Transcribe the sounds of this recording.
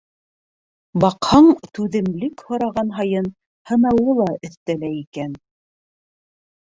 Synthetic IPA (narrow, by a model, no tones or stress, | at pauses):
bɑqhɑɴt̪ʉðɘ̆mlɘkhŏɾɑʁɑnɦɑjɤn | hɤ̆nɑwɤlˠɑʔɵ̆θt̪ælæikæn